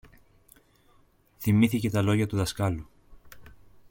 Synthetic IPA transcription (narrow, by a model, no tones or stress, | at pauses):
θimiθice̞t̪ɐlo̞ʝɐt̪uðɐskɐlu